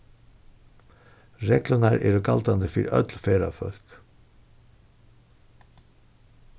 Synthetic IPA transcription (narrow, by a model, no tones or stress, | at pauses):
ɾɛːklənaɾʔɛːɾəkalt̪and̪əfiːɾœ̰t̪lfeːɾa̰fœl̥k